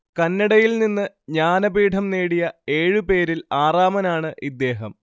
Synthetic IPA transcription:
kɐnːɐɽɐjilninːɨ | ɲaːnɐbiːʈʰɐmneːɽijɐe̞ːɻupe̞ːɾilaːraːmɐnaːɳɨʔid̪ːe̞ːɦɐm

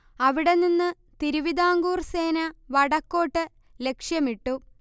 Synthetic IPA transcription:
ɐʋiɽe̞ninːɨ | t̪iɾuʋid̪aːŋɡuːrse̞ːnɐʋɐɽɐkːo̞ːʈːɨ | le̞kʂjɐmiʈːu

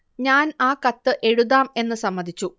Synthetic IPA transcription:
ɲaːnaːkɐt̪ːɨʔe̞ɻuðaːme̞nːɨsɐmːɐd̪ʱit͡ɕːu

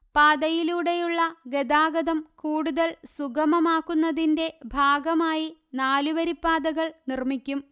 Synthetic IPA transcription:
paːd̪ɐjiluːɽe̞juɭːɐɡed̪aːɡɐðɐmkuːɽuðɐlsuɡɐmɐmaːkːunːɐðinde̞bʱaːɡɐmaːjinaːluʋɐɾipːaːd̪ɐɣɐɭnirmikʲːum

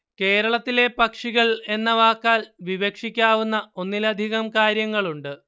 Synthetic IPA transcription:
ke̞ːɾɐɭɐt̪ːile̞pɐkʂiɣɐɭe̞nːɐʋaːkːaːlʋiʋekʂikʲːaːʋunːɐo̞nːilɐd̪ʱiɣɐmkaːɾjɐŋːɐɭuɳɖɨ

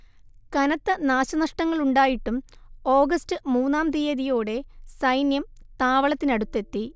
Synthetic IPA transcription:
kɐnɐt̪ːɨnaːɕɐnɐʂʈɐŋːɐɭuɳɖaːjiʈːumo̞ːɡɐstɨmuːnːaːmd̪ijeðijo̞ːɽe̞sɐjnjɐm | t̪aːʋɐɭɐt̪ːinɐɽut̪ːe̞t̪ːi

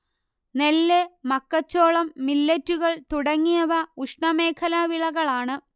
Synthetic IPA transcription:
nelːemɐkːɐt͡ɕːoːɭɐmːilːɐtːuɣɐɭt̪uɽɐŋːijɐʋɐuʂɳɐme̞ːkʰɐlɐʋiɭɐɣɐɭaːɳɨ

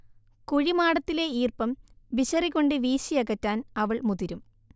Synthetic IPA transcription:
kuɻimaːɽɐt̪ːile̞iːrpɐmbiɕɐriɣoɳɖɨʋiːɕijɐɣɐtːaːnɐʋɐɭmuðiɾum

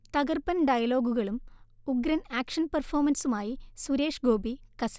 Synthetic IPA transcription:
t̪ɐɣɐrpɐnɖɐjɐlo̞ːɡuɣɐɭumuɡɾɐnaːkʂɐnpɐrfo̞ːmɐnsumaːjisuɾe̞ːʂɡo̞ːbikɐsi̥

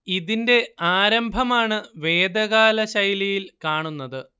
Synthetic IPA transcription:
iðinde̞aːɾɐmbʱɐmaːɳɨʋe̞ːd̪ɐɣaːlɐɕɐjlijilkaːɳunːɐðɨ

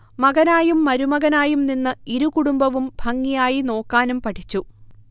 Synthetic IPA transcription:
mɐɣɐnaːjumːɐɾumɐɣɐnaːjumninːɨiɾukuɽumbɐʋumbʱɐŋːijaːjino̞ːkːaːnumpɐʈʰit͡ɕːu

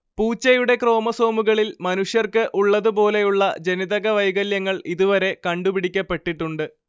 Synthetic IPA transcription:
puːt͡ɕːɐjuɽe̞kro̞ːmɐso̞ːmuɣɐɭilmɐnuʂjɐrkɨʔuɭːɐðupo̞ːle̞juɭːɐ̰d͡ʑe̞niðɐɣɐʋɐjɣɐljɐŋːɐɭiðuʋɐɾe̞kɐɳɖupiɽikʲːɐpːe̞ʈːiʈːuɳɖɨ

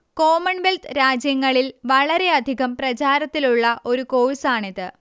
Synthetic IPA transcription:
ko̞ːmɐɳʋelt̪ɾaːd͡ʑjɐŋːɐɭilʋɐɭɐɾe̞ɐd̪ʱiɣɐmprɐt͡ɕaːɾɐt̪ːiluɭːɐʔo̞ɾuko̞ːɻisaːɳiðɨ

